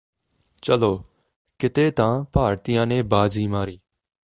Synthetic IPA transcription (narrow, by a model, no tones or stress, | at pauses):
t͡ʃəloː | kɪt̪eːt̪ãːpaːɾt̪ɪjãːneːbaːziːmaːɾiː